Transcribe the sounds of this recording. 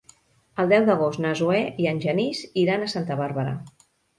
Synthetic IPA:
əlˠd̪ɛwðəɣ̞ost̪nəzuɛiənʲʒəniziɾanəsant̪əβaɾβəɾə̰

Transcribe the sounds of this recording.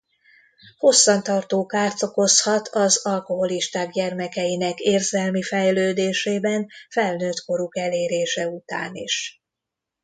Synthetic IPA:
ho̞sːɒnt̪ɒrt̪oːkaːrt̪oko̞shɒt̪ʰɒzɒlko̞ɦo̞liʃt̪aːɡɟɛrmɛkɛjinɛkeːrzɛlmifɛjløːd̪eːʃeːbɛnfɛlnøːt̪ko̞ɾukɛleːɾeːʃɛut̪a̰ːniʃ

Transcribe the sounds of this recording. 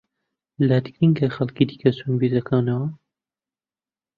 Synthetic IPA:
lad̪ɨɡɾiŋɡɐxɐlkid̪i̥kɐsunbizɐkʰaːwnɐwɐ

